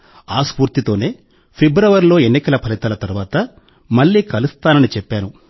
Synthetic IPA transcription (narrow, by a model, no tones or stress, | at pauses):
aːspuːɾt̪it̪o̞ːne̞ː | pʰebɾɐʋɐɾlo̞ːe̞nːikɐlɐpʰɐlit̪ɐlɐt̪ɐɾuʋaːt̪ɐ | mɐɭːiːkɐlust̪aːnɐnit͡ʃɛpːaːnu